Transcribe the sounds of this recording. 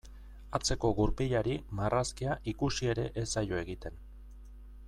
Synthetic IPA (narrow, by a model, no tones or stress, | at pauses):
at͡se̞ko̞ɣuɾpiʎaɾimarʔaskiaʔikusie̞ɾe̞ʔesaʎo̞e̞ɣit̪e̞n